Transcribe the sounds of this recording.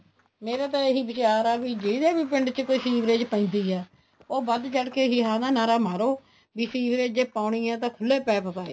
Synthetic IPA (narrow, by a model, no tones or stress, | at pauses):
meːɾaːt̪̬ãːeɦiːbɪt͡ʃaːɾaːbiːd͡ʒed̪eːbiːpɪɳɖt͡ʃkoːiːsiːʋɾeːd͡ʒpə̃ːnd̪iːɛː | oːbəd̪t͡ʃəɽkeːɦiːɦaːnaːnaːɾaːmaːɾoː | biːsiːʋɾeːd͡ʒeːpaːʊɳiːãːt̪̬ãːkʰʊlːeːpɛːpəpaːeː